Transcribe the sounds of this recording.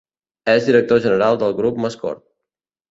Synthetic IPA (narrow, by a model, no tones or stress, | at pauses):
ɛzd̪iɾək̚t̪oʒənəɾalˠd̪əlˠɣɾupməskɔ̰ɾt̪̚